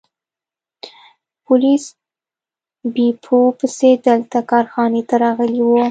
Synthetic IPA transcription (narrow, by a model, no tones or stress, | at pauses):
pʊlis | bipʰopəsed̪əlt̪akɑɾxɑnet̪aɾɑɣəliwo